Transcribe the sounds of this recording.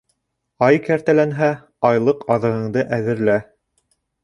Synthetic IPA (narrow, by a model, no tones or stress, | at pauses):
ɑjkæɾt̪ælænɦæ | ɑjlˠɤqɑðɤ̆ʁɤ̆ɴd̪ɤʔæðɘ̆ɾlæ